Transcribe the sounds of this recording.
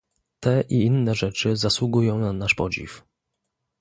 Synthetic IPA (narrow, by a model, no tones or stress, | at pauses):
t̪ɛʔiinːɛʐɛt͡ʂɘzaswuɡujɔ̃w̃nanaʂpɔd͡ʑḭf